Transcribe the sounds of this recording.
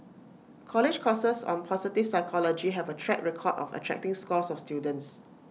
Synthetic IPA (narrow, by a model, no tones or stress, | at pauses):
kʰɔlɪd͡ʒkʰɔsəsɔ̰̃npʰɔsitifsaɪkʰɔlɔd͡ʒiɦɛvətʰɹɛk̚ɹɛkʰɔdɔ̰fə̰tʰɹɛ̰k̚tɪ̃ŋskɔsɔfstjudə̃nts